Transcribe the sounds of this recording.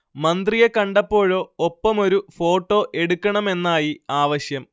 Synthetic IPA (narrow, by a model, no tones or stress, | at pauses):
mɐnd̪rijekɐɳɖɐpːo̞ːɻo̞ːopːɐmo̞ɾufo̞ːʈːo̞ːʔe̞ɽukʲːɐɳɐme̞nːaːjiaːʋɐɕjɐm